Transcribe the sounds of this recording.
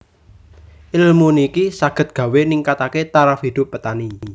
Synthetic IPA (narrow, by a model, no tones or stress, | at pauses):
ʔilmunikisaɡ̥ə̤t̪̚ɡ̥ä̤weniŋkat̪aket̪aɾafhid̪̥ʊ̤pːət̪ani